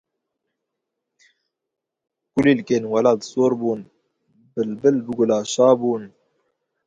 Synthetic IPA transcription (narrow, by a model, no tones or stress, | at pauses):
kuliːlkeːnwalɑːd̪soːɾbuːn | bɨlbɨlbɨɡʊlɑːʃɑːbuːn